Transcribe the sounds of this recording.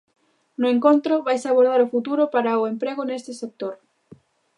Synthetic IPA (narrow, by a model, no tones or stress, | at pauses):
nʊeŋkont̪ɾʊβajsaβ̞oɾð̞aɾʊfut̪uɾʊpaɾaʊempɾeɣʊnest̪ɪsek̚t̪oɾ